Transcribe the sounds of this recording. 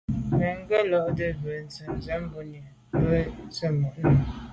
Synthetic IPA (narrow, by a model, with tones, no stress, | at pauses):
bə˨ŋ˦ɡə˦lɔ˦ʔdə˦bə˨n˨t͡sə˨n˨zɛ˦m˦bu˦ni˨bə˦t͡sə˦mɔ˨ʔnə˨